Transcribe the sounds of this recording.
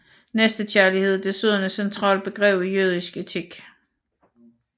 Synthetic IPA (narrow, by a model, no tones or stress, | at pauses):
nesd̥ət͡ɕʰæɐlihe̝ð̞̰ˠd̥e̝søð̰ˠɐnəsent͡sʰʁɑ̰̈ːl̚b̥e̝ɡ̥ʁɛ̰ːʊ̰ijøð̞ˠisɡ̥e̝t͡sʰiɡ̥